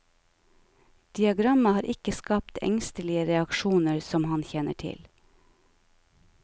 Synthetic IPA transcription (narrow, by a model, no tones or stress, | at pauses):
d̪̥ɪɑɡɾɑməhɑːɾʔɪkəskɑːpt̪ʰɛ̰ŋst̪əlɪəɾɛɑkʃuːnəɹsɔmhɑnçɛːnəʈʰɪ̰l